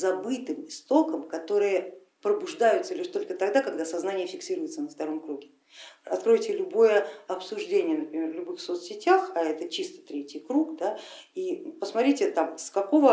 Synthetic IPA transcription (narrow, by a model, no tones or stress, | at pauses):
zɐbɨt̪ɨmɪst̪o̞kəmkɐt̪o̞ɾɨjə | pɾəbʊʐd̪ajʊt̪səlʲiʂt̪o̞lʲkət̪ɐɡd̪akɐɡ̚d̪asɐznanʲɪjəfʲɪksʲiɾʊjɪt̪sənəft̪ɐɾo̞mkɾuɡʲɪ | ɐt̪kɾo̞jtʲɪlʲʊbo̞jəɐpsʊʐdʲenʲɪjənəpɾʲɪmʲe̞rvlʲʊbɨxfso̞t̪sʲɪtʲaxɐɛt̪ət͡ɕist̪ə̥t̪ɾʲetʲɪjkɾukd̪aipəsmɐt̪ɾʲitʲɪt̪amskɐko̞və